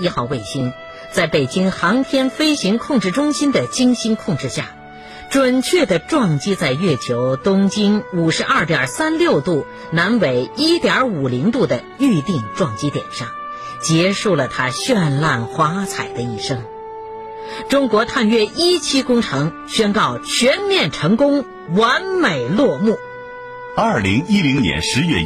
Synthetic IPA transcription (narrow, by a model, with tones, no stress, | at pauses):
i˥xɑ˥˩ʊwe˥˩ɪɕi˥n | t͡sa˥˩ɪpe˨˩ɪt͡ɕi˥ŋxɑ˧˥ŋt̪ʰjɛ˥nfe˥ɪɕi˧˥ŋkʰʊ˥˧ŋʈ͡ʂɻ̩˥˩ʈ͡ʂʊ˥ŋɕi˥nd̪ə˨t͡ɕi˥ŋɕi˥nkʰʊ˥˧ŋʈ͡ʂɻ̩˥˧ɕja̰˥˩ | ʈ͡ʂwə˨˩nt͡ɕʰɥɛ˥˩d̪ə˩ʈ͡ʂwɑ˥˧ŋt͡ɕi˥t͡sa˥˧ɪɥɛ˥˩t͡ɕʰjo˧˥ʊt̪ʊ˥ŋt͡ɕi˥nu˨˩ʂɻ̩˧˥ʔɐ˞˥˩t̪jɐ˞˨˩sa˥nljo˥˧ʊt̪u˥˩ | na˧˥nwe˨˩ɪi˥t̪jɑ˞˧˥u˨˩li˧˥ŋt̪u˥˩d̪ə˩ | y˥˧t̪i˥˧ŋʈ͡ʂwɑ˥˩ŋt͡ɕi˥t̪jɛ̰˨˩nʂɑ˥˩ŋ | t͡ɕjɛ˧˥ʂu˥˩lə˩t̪ʰa˥ɕɥɛ˥˧nla˥˩nxwa˧˥t͡sʰa˨˩ɪd̪ə˦i˥˩ʂɤ˥ŋ | ʈ͡ʂʊ˥ŋkwɔ˧˥t̪ʰa˥˧nɥɛ˥˧i˥t͡ɕʰi˥kʊ˥ŋʈ͡ʂʰɤ˧˥ŋ | ɕɥɛ˥nkɑ˥˩ʊt͡ɕʰɥɛ˧˥nmjɛ˥˩nʈ͡ʂʰɤ˧˥ŋkʊ˥ŋ | wa˧˥nme˨˩ɪlwɔ˥˧mu˥˩ | ɐ˥˩li˧˥ŋi˥li˧˥ŋnjɛ̰˧˥nʂɻ̩˧˥ɥɛ̰˥˧